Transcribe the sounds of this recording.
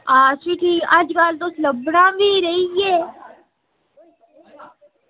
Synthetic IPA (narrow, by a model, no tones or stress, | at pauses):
aːsɪʈʰiːəd͡ʒkaːlt̪osləbɽãːbiːɾəiɡeː